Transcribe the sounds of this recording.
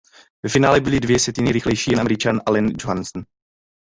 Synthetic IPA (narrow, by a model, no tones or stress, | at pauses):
vɛfɪnaːlɛbɪlɪdvjɛsjɛt̪ɪnɪɾɪxlɛjʃiːjɛnʔamɛɾɪt͡ʃanʔalɛnd͡ʒoɦansn̩